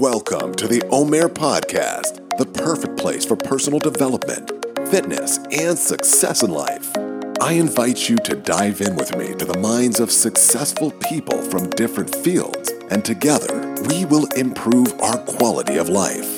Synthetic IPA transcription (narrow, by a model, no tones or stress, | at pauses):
wɛlˠkʰə̰̃mtʰɨðiʔõʊ̃mɛɹpʰɑ̰d̚kʰæ̰st | ðəpʰɜ˞fɨk̚pʰl̥eɪsfə˞pʰɜ˞sn̩l̩ˠdəvɛlˠəp̚mɨ̰̃ntfɪtⁿnɨ̰sʔɨ̃nsɨksɛ̰sə̃nla̰ɪfʔaɪɨ̃ɱvaɪt͡ʃɨɾɨdaɪvɪ̃nwɨðmḭɾɨðəmãɪ̃ndzʌv̥sɨksɛsfl̩ˠpʰipə̰l̩ˠfɹʌ̃mdɪfɹɨ̃ntfilˠdz̥ʔɨ̃ntʰɨɡɛðə̰˞wiwɪlˠɪ̃mpʰɹ̥uva̰ʊə˞kʰw̥ɑlˠə̰ɾḭʌ̰vlaɪf